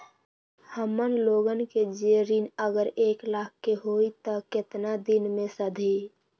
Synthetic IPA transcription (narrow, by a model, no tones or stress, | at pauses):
həmənloːɡənked͡ʒeɾinəɡəɾeːklaːkʰːeɦoit̪ɔkɪt̪nad̪ɪnmẽsəd̪ʱi